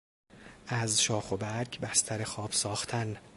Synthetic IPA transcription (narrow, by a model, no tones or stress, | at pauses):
ʔæzʃɒːxo̞bæɾcʰbæst̪ʰæɾe̞xɒːb̥sɒːxt̪ʰæn